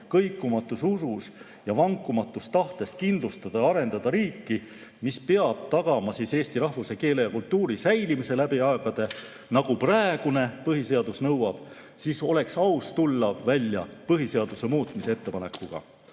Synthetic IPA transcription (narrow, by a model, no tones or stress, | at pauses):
kɤjkːˑumɑt̪ːˑususus | jɑvɑŋkˑːumɑt̪ˑːust̪ɑht̪e̞st̪kind̪lust̪ɑd̪̥ɑɑɾe̞nd̪ɑd̪̥ɑɾiːkːi | mispeɑb̥̚t̪ɑɡ̥ɑmɑsiːse̞ːst̪iɾɑhvuse̞ke̞ːle̞jɑkult̪ːuːɾisæjlimise̞læbiɑeɡ̥ɑd̪̥e̞ | nɑɡ̥upræeɡ̥une̞pɤɦise̞ɑd̪̥usnɤwɑb̥ | siːso̞le̞ksɑwst̪ulːɑvælʲjɑpɤɦise̞ɑd̪̥use̞muːt̪ˑmisee̞t̪ːˑe̞pɑne̞kːˑuɡ̥ɑ̰